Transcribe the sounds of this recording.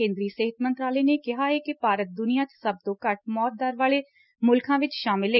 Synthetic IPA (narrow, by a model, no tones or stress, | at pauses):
ẽːnd̪ɾiːseɦət̪mənt̪ɾaːlɛːneːkɪɦaːɛːkɪpaːɾət̪̚d̪ʊnijãːt͡ʃsəb̚t̪õːkəʈ̚ʰmɔːt̪̚d̪aːɾʋaːɭeː | mʊlkʰãːʋɪt͡ʃʃaːmɪlɦeː